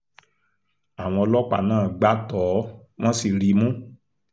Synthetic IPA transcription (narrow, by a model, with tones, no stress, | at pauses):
a˨w̃ɔ̃˧ɔ˧lɔ˦k͡pa̰˨nãː˦˨ɡ͡ba˦tɔː˨˦ | w̃ɔ̃˦si˨ɾi˨˦mũ˦